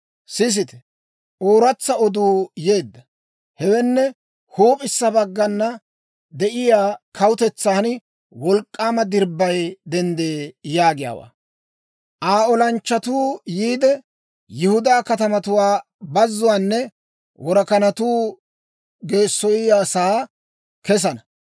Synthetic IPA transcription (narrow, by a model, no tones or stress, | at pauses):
sɪs̬ɪt̪ɛ̥ | ʔoːɾɐt͡sːɐɔd̪uːjeːd̪ːɐ | hɛwɛnːɛ | huoːpʼɪsːɐbɐɡːɐnːɐ | d̪ɛʔɪjaːkɐwʊt̪ɛt͡sːaːnɪ | wɔlkʼːaːmɐd̪ɪɾbːɐjd̪ɛnd̪eːjaːɡɪja̰ːwa̰ː | ʔaːɔlɐnt͡ʃːɐt̪uːjiːd̪ɛ | jɪhʊd̪aːkɐt̪ɐmɐt̪ʊwaː | bɐzːʊwaːnːɛ | wɔɾɐkɐnɐt̪uː | ɡe̞ːsːɔjɪjaːsaː | kɛs̬ɐnɐ